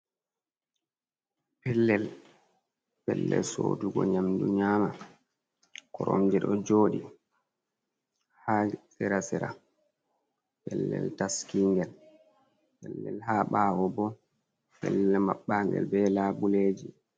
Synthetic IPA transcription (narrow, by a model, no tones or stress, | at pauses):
pɛlːɛl | pɛlːɛ̰lsoːduɡɔɲamduɲaːma | kɔɾɔmd͡ʒɛɗɔd͡ʒoːɗi | hasɛɾasɛɾa̰ | pɛlːɛltaskiŋɡɛl | pɛlːɛlɦaːɓawɔbɔ | pɛlːɛmaɓːaŋɡɛ̰lbɛlaːbuleːd͡ʒi